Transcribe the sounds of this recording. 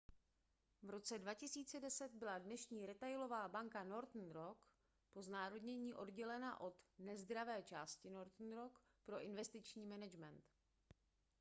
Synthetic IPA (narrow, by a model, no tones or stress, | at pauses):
vɾo̞t͡sɛdvacɪsiːt͡sɛdɛsɛt̪̚bɪladnɛʃɲiːɾɛt̪ajlo̞vaːbaŋkano̞ɾt̪n̩ɾok | po̞znaːɾodɲɛɲiːʔo̞dɟɛlɛnaʔo̞d̪nɛzd̪ɾavɛːt͡ʃaːscɪno̞ɾt̪n̩ɾok | pɾo̞ʔɪnvɛst̪ɪt͡ʃɲiːmɛnɛd͡ʒmɛnt̪